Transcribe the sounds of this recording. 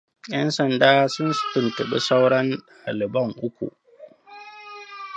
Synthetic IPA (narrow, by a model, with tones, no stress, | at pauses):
jɐ˦nsɐ˨ndaː˦sʊ˦nsʊ̥˦tʊ˨ntɐ˨ɓḭ˦sa˦wɽɔ˦n | a˨lɪ˨bɐ˦ŋʔʊ˦kʷṵ˨ʔ